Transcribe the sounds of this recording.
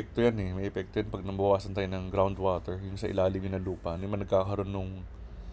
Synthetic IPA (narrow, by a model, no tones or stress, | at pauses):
ɛk̚t̪ojanɛmɐjʔɛpɛk̚t̪ojanpɐɡ̚nɐmbɐbɐwaːsɐnt̪aːjnɐŋɡɾawnd̪waːt̪ɛɹjʊŋsɐʔɪ̰laːlɪmɪnɐluːpɐnjʊnmɐnɐɡ̚kaːkɐɾo̞nːʊŋ